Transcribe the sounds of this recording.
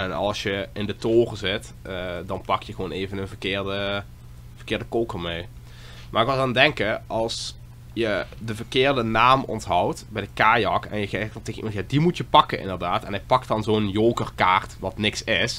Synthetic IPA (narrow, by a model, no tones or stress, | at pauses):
ɛnɑ̰lˠsjəɪndətoːrəzɪt | dɑnpɑkjəɣəʋoːneːvənənvərkɪːrdə | v̥ərkɪːrdəkoːkərmej | mʔarɪk̚ʋɪlˠaːndɛŋkəʔɑlˠs | jədəvərkɪːrdənaːmɔ̰ntɦɑwtbɛjdəkaːjɑkɛ̰njəteːɣənimɑntjaːdimutjəpɑkənʔɪ̰ndərdaːtɛnɦɛjpɑk̚tɑnzonjoːkərkaːrtʋɑtnɪksɪs